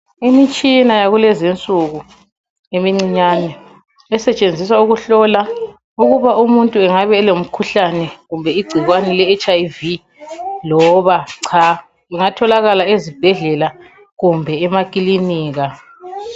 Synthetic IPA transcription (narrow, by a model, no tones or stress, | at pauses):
imit͡ʃʼinajaɣulɛzint͡sʼuɣu | emiŋ͡ǀiɲaːnɛ | ɛsɛt͡ʃʼend͡zʱis̬auɣuɬɔla | uɣuβaumuntʼuɛŋaβɛːlom̩kʰuɬanɛɣumbʱɛiɡ͡ǀʱiɣwanɛlɛːt͡ʃʼavi | lɔβaǀʰa | ɛŋatʰɔlaɣalaezib̥ʱɛɮɛla | ɣumbʱɛɛmakʼiliniːɣa